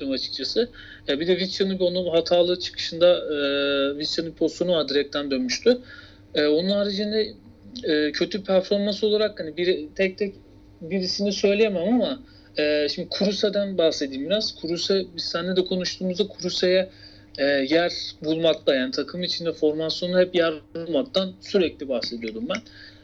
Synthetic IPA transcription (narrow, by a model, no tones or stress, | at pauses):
ɾɯmat͡ʃʰɯ̥k̚t͡ʃʰasɯ | jabid̪ɛvit͡ʃt͡ʃanɯbonuɦat̪ʰaːlˠɯt͡ʃʰɯ̥kʰɯ̥ʃɯnd̪aɯːvit͡ʃanɯpʰo̞st̪o̞nuvaɾd̪iɾɛc̚t̪ʰænd̪ønmyʃt̪ʰy | ɛːo̞nunaɾɯd͡ʒiand̪ɛː | cʰø̞t̪ʰypʰæɾfo̞ɾmanso̞lˠaɾakhanibiɾt̪ʰɛc̚t̪ʰɛc | biɾisinisø̞jlʲejemamama | ɛːʃimd̪ikʰuɾusad̪ænbahse̞d̪iːmiɾazkʰuɾusɛbist̪ænːɛd̪ɛkʰo̞nuʃt̪ʰuːmuzd̪akʰuɾusejɛ | ɛːjæɾbulˠmaklˠajaːnit̪ʰakʰɯmɯit͡ʃʰind̪ɛfo̞ɾmasjo̞nuhɛpjæɾbulˠmak̚t̪ʰansyɾɛclʲibahse̞d̪ijo̞d̪umbæn